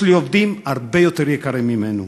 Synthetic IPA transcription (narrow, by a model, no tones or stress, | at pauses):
liovd̪imaɾbejot̪eɾiekaɾemimenu